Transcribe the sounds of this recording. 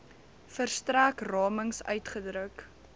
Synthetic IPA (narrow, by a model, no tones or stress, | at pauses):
fərstræːkrɑːməŋsœ̰ɥtχədɾək